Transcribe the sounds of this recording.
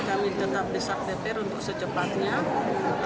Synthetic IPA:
kawɪnt̪ət̪ap̚dəsak̚dep̪ɛɾunt̪ʊk̚sət͡ʃəpat̪̚ɲa

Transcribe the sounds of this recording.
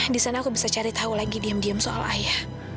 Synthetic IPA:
hdisanaːkubisat͡ʃaɾit̪aulaɡidiamdiamsoʔa̰lajah

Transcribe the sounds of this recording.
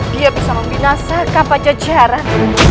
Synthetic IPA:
diəpsaŋɔŋbinasakapat͡ʃəd͡ʒaɾa

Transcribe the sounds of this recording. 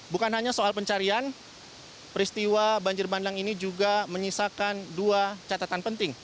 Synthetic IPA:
bukanɦaɲasoalpəɲt͡ʃaɾian | pəɾist̪iwabaɲd͡ʒɪrbandaŋinid͡ʒuɡaməɲisakanduat͡ʃat̪at̪anpənt̪ɪŋ

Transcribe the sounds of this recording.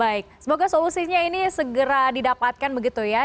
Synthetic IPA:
baɪk̚səmoɡasolusiɲainisəɡəɾadidapat̪̚kanbəɡit̪uja

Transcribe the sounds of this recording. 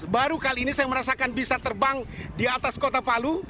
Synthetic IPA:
baɾukaliːnisajaməɾasakanbisat̪ərbaŋdiat̪askot̪apalu

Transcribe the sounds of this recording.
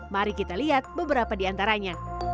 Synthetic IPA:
maɾikit̪aliɦat̪̚bəbəɾapadiant̪aɾaɲa

